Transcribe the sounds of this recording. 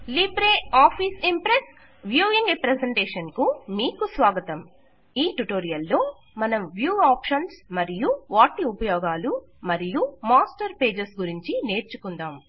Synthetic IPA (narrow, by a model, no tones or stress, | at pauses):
libɾeːaːpʰiːsimpɾes | ʋjuːʋiŋɡɾepɾeseɳʈeːʂɐnkumiːkusʋaːɡɐt̪ɐm | iːʈuʈo̞ːɾijɐlːo̞ː | mɐnɐmʋjuːaːpʂɐnsmɐɾijuʋaːʈiupɐjɔːɡaːlu | mɐɾijumaːsʈɐɾpe̞ːd͡ʒɐsɡuɾiɲt͡ʃine̞ːɾt͡ʃukund̪aːm